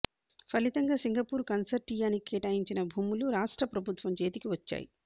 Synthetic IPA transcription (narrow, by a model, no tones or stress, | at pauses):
pʰɐlit̪ɐŋɡaːsiŋɡɐpuːɾkɐnsɐɾʈijaːnikɛːʈaːjiɲt͡ʃinɐbʱuːmuluɾaːʂʈɾɐpɾɐbʱut̪ʋɐmt͡ʃe̞ːt̪ikiʋɐt͡ʃːa̰ːjḭ